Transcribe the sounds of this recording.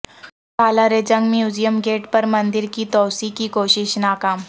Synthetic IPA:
pʰaːlaɾed͡ʒɐ̃ŋɡmjuːzijəmɡeːʈpɐɾmɐ̃nd̪ɪɾkit̪ɔːsikikoːʃɪʃnaːkaːm

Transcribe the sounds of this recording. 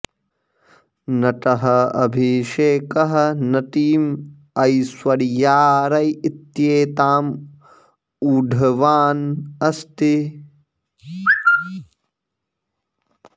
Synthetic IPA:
nɐʈɐɦɐɐ̰bʱiʃeːkɐɦɐ̆nɐʈ̪iːm | ɐjswɐɾjaːɾɐjit̪jeːt̪aːm | uːɖʱɐʋaːnɐst̪i

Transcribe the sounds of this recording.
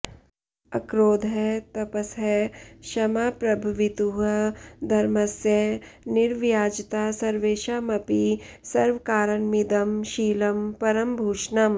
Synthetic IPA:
ɐkɾoːd̪ɦɛt̪ɐpəsɦɛʃɐmaːpɾɐbʱɐʋɪt̪uɦɐd̪ʱɐɾmɐsjənɪɾʋjaːd͡ʒt̪aːsɐɾʋeːʃaːmɐpisɐɾʋkaːɾənmid̪ɐmʃiːlɐmpɐɾəmbʱuːʃnɐm

